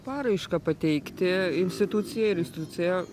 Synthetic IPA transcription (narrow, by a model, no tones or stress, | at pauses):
pɑːɾɐɪʃkɑpɐt̪ʲɛɪkt̪ʲɪɪnʲsʲt̪ʲɪt̪ʊt̪sʲɪjɛɪɾɪnsʲt̪ʲɪt̪ʊt͡s̪ʲɪjɛ